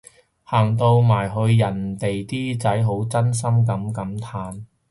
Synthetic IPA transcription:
haː˨˩ŋt̪o˧wmaː˨˩jɦɵ˧ɥjɐ˨˩nt̪e˨jt̪iː˥t͡sɐ˨˥jɦo˨˥wt͡sɐ˥ns̬ɐ˥mkɐ˨˥mkɐ˨˥mt̪ʰaː˨˥n

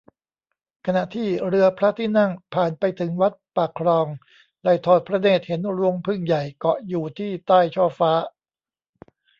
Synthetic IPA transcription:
kʰa˧na˨˩ʔt̪ʰiː˥˩ɾɯ˧ɐpʰɾa˦˥t̪ʰiː˥˩na˥˩ŋpʰaː˨˩npa˧jt̪ʰɯ˩˦ŋwa˦˥t̪̚pa˨˩kʰːɾɔː˧ŋ | la˧˩jt̪ʰɔː˨˩t̪̚pʰɾa˧neː˥˩t̪̚he˩˦nɾu˧əŋpʰɯ˧˩ŋja˨˩jkɔ˨˩juː˨˩t̪ʰiː˥˩t̪aː˥˩jt͡ɕʰɔː˧˩faː˦˥

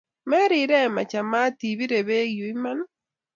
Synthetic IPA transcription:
mɛ˦ɾi˨ɾɛ˦ma˨t͡ʃa˨ma˦ti˨βi˦ɾe˨βe˦ɣju˨i˦ma˦nɔ˦

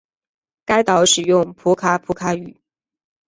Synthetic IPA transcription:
ka˥ɪt̪ɑ˧˥ʊʂɻ̩˨˩jʊ˥˩ŋpʰu˧˥kʰa˥pʰu˧˥kʰa˧˥y˨˩˦

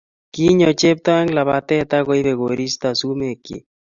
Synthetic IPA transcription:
ki˦ɲo˨t͡ʃe˦p̚t̪ɔ˦ɛ˦ŋla˨βa˨t̪ɛ˦t̪a˦ɣo˦i˦βe˨ɣo˨ɾi˦st̪a˨su˦me˨kḭ˨

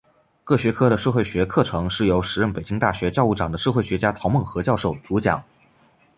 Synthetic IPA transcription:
kɤ˥˩ɕɥɛ˧˥kʰɤ˥ɾə˨ʂɤ˥˧xwɪɕɥɛ˧˥kʰɤ˥˩ʈ͡ʂʰɤ˧˥ŋʂɻ̩˥˩jo˧˥ʊʂɻ̩˧˥ɻə˥˩npe˨˩ɪt͡ɕi˥ŋt̪a̰˥˩ɕɥɛ˧˥t͡ɕjɑ˥˧ʊu˥˩ʈ͡ʂɑ˨˩ŋd̪ə˦ʂɤ˥˧xwe˥˩ɪɕɥɛ˧˥t͡ɕja˥t̪ʰo˧˥mə˥˩ŋxɤ˧˥t͡ɕjɑ˥˧ʊʂo˥˩ʊt͡su˧˥t͡ɕjɑ̰˨˩˦ŋ

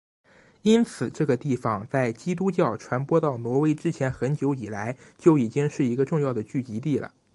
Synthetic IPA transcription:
i˥nt͡sʰɹ̩˨˩ʈ͡ʂɤ˥˩ɡə˩t̪i˥˩fɑ˨˩ŋt͡sa˥˩ɪt͡ɕi˥t̪̬u˥t͡ɕjɑ˥˩ʊʈ͡ʂʰwa˧˥npwɔ˥t̪ɑ˥˩ʊnwɔ˧˥we˥ɪʈ͡ʂɻ̩˥t͡ɕʰjɛ˧˥nxə˧˥nt͡ɕjo˧˥ʊi˨˩la˧˥ɪt͡ɕjo˥˧ʊi˨˩t͡ɕi˥ŋʂɻ̩˥˩i˧˥ɡə˧ʈ͡ʂʊ˥˧ŋjɑ˥˩ʊd̪ə˩t͡ɕy˥˩t͡ɕi˧˥t̪i˥˩lə̰˩

